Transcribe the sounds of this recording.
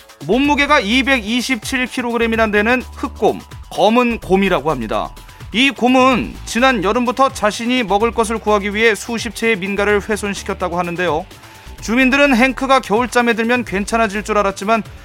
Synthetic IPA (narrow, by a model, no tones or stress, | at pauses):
momːuɡe̞ɡaibe̞ɡiɕʰip̚t͡ɕʰiɭkʰiɾoɡɯɾe̞miɾande̞nɯnhɯk̚k͈omkʌmɯnkomiɾaɡohamɲida̰ | ikomɯnt͡ɕinanjʌɾɯmbutʰʌt͡ɕaɕʰiɲimʌɡɯɭk͈ʌs̬ʰɯɭkuɦaɡiɥiɦe̞sʰuɕʰip̚t͡ɕʰe̞ːminɡaɾɯɭɸwe̞sʰonɕʰi̥kʰjʌt̚t͈aɡoɦanɯnde̞jo | t͡ɕumindɯɾɯnɦe̞ŋkʰɯɡakjʌuɭt͡ɕ͈ame̞dɯɭmjʌnkwe̞nt͡ɕʰanɦad͡ʑiɭt͡ɕ͈uɾaɾat̚t͡ɕ͈iman